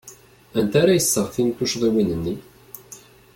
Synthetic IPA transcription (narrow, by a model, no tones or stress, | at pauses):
ænt̪æɾæjəsːəʁfint̪uʃðˤiwinənːi